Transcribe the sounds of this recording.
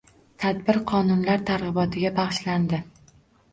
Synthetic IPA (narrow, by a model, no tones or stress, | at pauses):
t̪ʰad̪bɪɾqʰɒnʊnlaɾt̪ʰaɾʁɨbɒt̪ʰɪɡʲabɑχʃland̪ɪ